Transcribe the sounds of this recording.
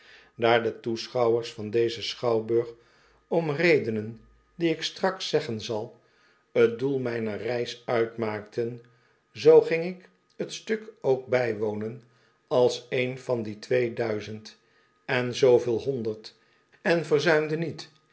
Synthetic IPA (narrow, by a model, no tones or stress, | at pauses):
daːɹdətusχɑwəɹsfɑndejzəsχɑwbøːχ | ɔmrejdənən | diɪkstrɑksɛχənzɑlˠ | ət̚dulˠmɛjnərɛjsœɥtmaːk̚tʰən | zowχɪŋɪk | ətstɵkowk̚bɛjʋownən | ɑlˠsejnvɑnditʋejdœɥzənt | ɛnzowvɪːlˠɦɔndəɹt | ɛnvəɹzœɥmdənit